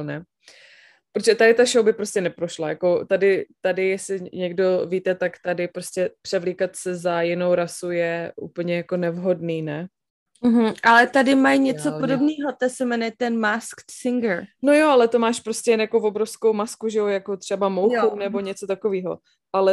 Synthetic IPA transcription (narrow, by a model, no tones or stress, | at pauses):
nɛ | pɾoʒɛt̪adɪt̪aʃowbɪpɾoscɛnɛpɾo̞ʃlajako̞t̪adɪt̪adɪjɛslɪɲɛɡdo̞viːt̪ɛt̪akt̪adɪpɾoscɛpr̝̥ɛvliːkat̪sɛzajɪnowɾasujɛʔṵːpl̩ɲɛjakonɛvɦo̞dniːnɛ | m̩ɦ̩ʔalɛt̪adɪmajɲɛt͡sopodobniːɦot̪ɛsɛmɛnɛt̪ɛnmaskt̪sɪŋɡəɾno̞joʔalɛt̪omaːʃpɾoscʲɛjɛnjakovobɾo̞fsko̞wmaskuʒɛojako̞t̪r̝̥ɛbamowjxunɛbo̞ɲɛt͡so̞t̪ako̞viːɦo̞̰ | ʔalɛ